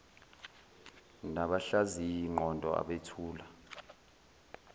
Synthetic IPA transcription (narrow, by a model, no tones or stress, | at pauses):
naɓaɬazijiŋ͡ǃɔntʼɔ̰a̰ɓetʰuːla